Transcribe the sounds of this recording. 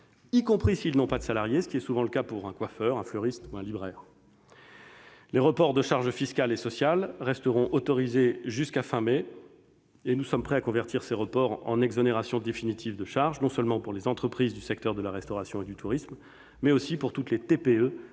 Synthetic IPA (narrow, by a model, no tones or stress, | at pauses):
ikɔ̃pχisilnɔ̃pad̪əsalaʁjesə̥kʲiɛsuvɑ̃ləkapuʁɛ̃kwafœʁɛ̃flœʁist̪uɛ̃libʁɛːʁ | leʁəpɔʁd̪əʃaʁʒəfiskalesɔsjalʁɛst̪əʁɔ̃ʔot̪ɔʁizeʒyskafɛ̃me | enusɔmpχɛakɔ̃vɛʁt̪iʁseʁəpɔʁɑ̰̃nɛɡzɔneʁasjɔ̃d̪efinit̪ʰivd̪əʃaʁʒnɔ̃sœlmɑ̃puʁlezɑ̃t̪χəpχizd̪ysɛk̚t̪œʁd̪əlaʁɛst̪ɔʁasjɔ̃ed̪yt̪ʰuʁismː | ɛosipuʁt̪ut̪let̪epeø